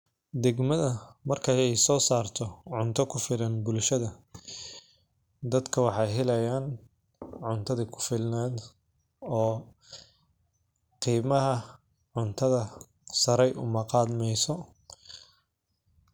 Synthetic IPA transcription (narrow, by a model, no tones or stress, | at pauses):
d̪ɛɡmɐðɐmɐrkʰɐɛjsɔːsaːrt̪ʰɔʕʊnt̪ʰɐkʰʊfɪlɐnbʊlʃɐðɐ | d̪ɐd̪kʰɐwɑħɑjɦɛlɐjaːn | ʕʊnt̪ʰɐðikʰʊ̥fɪlnaːd̪ | ɔː | qiːmɐɦɐ | ʕʊnt̪ʰɐðɐ | sɐɾɛjʔʊ̰mɐqɑːd̪mɛjsɔ